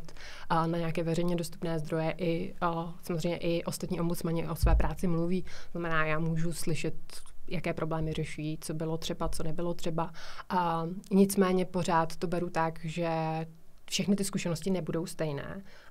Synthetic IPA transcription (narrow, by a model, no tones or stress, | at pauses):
t̪ | naɲɛakɛːvɛɾɛjɲɛdo̞st̪u̥pnɛːzd̪ɾo̞jɛʔɪsamozr̝eɛjɲɛ̰ʔɪʔo̞st̪at̪ɲiːʔo̞mbut͡smaɲɪʔo̞svɛːpɾʔaːt͡sɪmluviːt̪oznamɛnaːjaːmuːʒuslɪʃɛt̪jakɛːpɾʔo̞blɛːmɪrɛʃujiːt͡so̞bɪlot̪r̝̥ɛbat͡sonɛbɪlo̞t̪r̥ɛba | ɲɪt͡smɛːɲɛpo̞r̝aːt̪ːo̞bɛɾut̪akʒɛ | fʃɛxnɪt̪ɪskuʃɛnoscɪnɛbudo̞wst̪ɛjnɛ̰ː